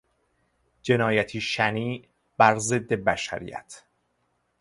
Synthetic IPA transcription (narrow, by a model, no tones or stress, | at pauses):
d͡ʒe̞nɒːjæt̪ʰiːʃæniː | bæɾze̞d̪ːe̞bæʃæ̰ɾḭːjæ̰t̪ʰ